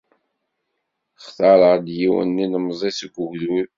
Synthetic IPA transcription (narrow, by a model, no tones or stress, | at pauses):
χθɑɾˤəʁd̪jiwə̰nːinəmzˤesəɡʷʊʝðul